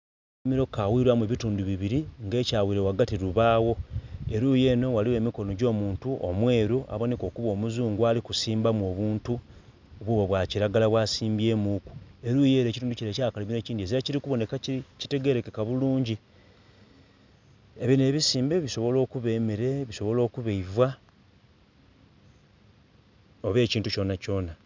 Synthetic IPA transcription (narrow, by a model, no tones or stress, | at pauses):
miɾo̞kawiɾwamweβituːnduβiβiɾiŋɡe̞ːcaːwiːɾewaɡatiɾuβaːwo̞eɾuje̞ːno̞waliwe̞ːmiko̞no̞ɟo̞ːmuːntuʔo̰mwe̞ːɾuʔa̰βo̞ne̞ko̞ːkuβo̞ːmuzuːŋɡualikusiːmbamuo̞ːβuːntu | oβwuβoβwaciɾaɡalaβwaːsiːmbje̞ːmuːku̥e̞ɾujeːɾe̞ːcituːnduciɾecaakaliβine̞ːciːndieziaciɾikuβo̞ne̞kaici̥te̞ɡe̞ɾe̞kekaβuluːɲɟi | eβine̞ːβisiːmbe̞βiso̞βo̞lo̞ːkuβeːmiɾe̞βiso̞βo̞lo̞ːkuβeivwa | oβe̞ːciːntuco̞naco̞ːna